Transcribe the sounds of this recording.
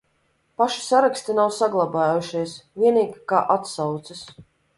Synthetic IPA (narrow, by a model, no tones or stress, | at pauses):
paʃi̥saɾakst̪inawsaɡlˠabaːjuʃiɛsvʲiɛniːɡikaːʔat̪sawt̪sɨs